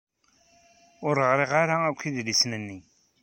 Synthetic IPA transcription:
ʊɾəʁɾiʁaɾaækʷːiðlisnənːi

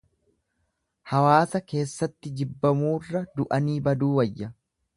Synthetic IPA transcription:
hɐwaːsɐke̞ːsːɐt̪ːɪd͡ʒɪbːɐmuːrːɐd̪ʊʔɐniːbɐd̪uːwɐjːɐ

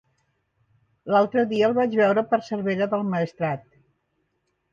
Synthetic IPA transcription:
lalˠt̪ɾəðiəːlˠβad͡ʒβɛwɾəpəɾsəɾβeʒəðəlˠməəst̪ɾat̪

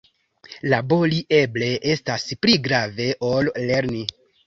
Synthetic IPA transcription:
labo̞liʔe̞ble̞ʔe̞staspliɡɾave̞ʔo̞lle̞ɾni

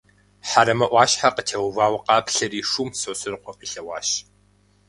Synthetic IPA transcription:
ħaɾɐmɐʔʷɑːʃħaqətʰewvaːwqɑːpʰɬɐriːʂuːmsosɨrqʷɔqiːɬɐwɑ̰ːʃ

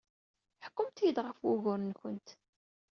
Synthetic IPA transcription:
ħə̥kːʊmt̪jəd̪ʁəfwʊʝʊɾnçənt̪

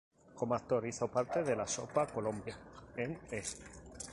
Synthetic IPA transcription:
ko̞moak̚t̪oɾiθo̞paɾt̪e̞ð̞elaso̰pakolõmbjaeŋest̪e

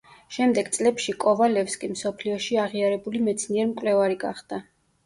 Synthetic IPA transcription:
ʃɛmd̪ɛɡ̥t̪sʼlɛpʃikʼɔvalɛfskʼimsɔpʰliɔʃiaʁiaɾɛbulimɛt̪sʰniɛɾmkʼwlɛvaɾiɡa̰χd̪̥a

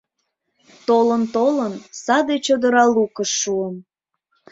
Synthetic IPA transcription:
t̪olənt̪olənsɑd̪et͡ɕod̪əɾɑlukəʃːuəm

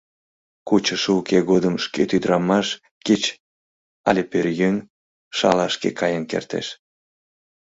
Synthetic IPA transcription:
kut͡ɕəʃukeɣod̪əmʃket̪yd̪ɾɑmɑʃ | ket͡ɕ | ɑlʲeperjøn | ʃɑ̰lɑʃkḛkʰɑjənkḛrt̪ḛʃ

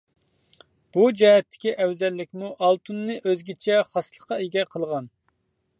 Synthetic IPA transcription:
b̥ud͡ʒɛɦɛt̪ʰːɪ̥kʲiʔɛwzɛlːɪkʲmuʔɑlˠt̪ʰunːɨʔøzɡʲit͡ʃʰɛχɑslˠəqɑeɡʲɛqʰəlˠʁɑn

